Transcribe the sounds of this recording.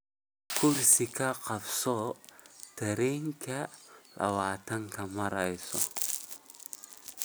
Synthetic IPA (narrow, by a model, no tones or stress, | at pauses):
kursikakapsɔ | d̪̥a̤ɾiŋkalʔa̰wat̪aŋkamaɾaisɔ̰